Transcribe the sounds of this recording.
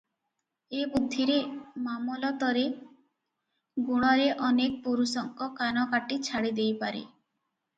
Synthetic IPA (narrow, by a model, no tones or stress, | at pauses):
ebud̪ʱːiɾemamɔlɔt̪ɔɾe | ɡuɽ̃ɔɾeʔɔnek̚puɾusɔŋkɔkanɔkaʈit͡ʃʰaɽid̪ejpaɾḛ